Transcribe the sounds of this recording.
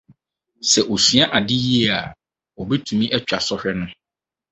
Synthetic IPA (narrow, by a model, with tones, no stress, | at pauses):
sɛ˨ʔo˨si˨a˦ʔa˨dɪ˦ji˦˨a˨ | ɔ˨bɛ˦tʰũ˨mĩ˦ʔɛ˦t͡ɕᶣa˨sɔ˦hᶣɛ˦nʊ̃˦